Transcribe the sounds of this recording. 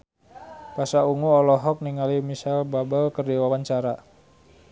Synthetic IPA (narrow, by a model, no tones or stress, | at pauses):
pasauŋuɔlɔɦɔk̚niŋalimisalbabəlkərdiwawaɲt͡ʃaɾa